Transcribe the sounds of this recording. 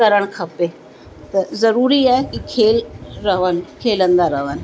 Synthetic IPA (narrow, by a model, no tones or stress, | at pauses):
əɾəɳ̃kʰɐpe | t̪ɐzəɾuːɾiaɦkikʰeːlɾəʋənkʰeːlənd̪aɾəʋən